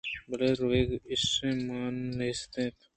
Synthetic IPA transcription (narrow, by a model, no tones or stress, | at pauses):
bɐleːɾoeːɡɪsːẽmaːnːest̪ẽːt̪